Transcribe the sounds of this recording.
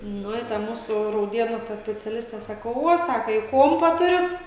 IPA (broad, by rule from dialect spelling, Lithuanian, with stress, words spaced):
ˈnʊ ɪ ˈtɐ ˈmuːsʊ rɐʊˈdʲeːnuː tɐ sʲpʲɛt͡sʲɛˈlʲɪsʲtʲɛ ˈsɑːkoː ˈʋuɔ ˈsɑːkɐ ɪ ˈkuɔmpɐ ˈtʊrʲɪt